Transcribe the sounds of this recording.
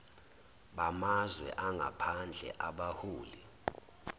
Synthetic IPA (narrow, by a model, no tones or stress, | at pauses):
ɓamazwɛ̰ʔaŋɡʱa̰pʰand͡ɮʱɛ̰ʔaɓahuːli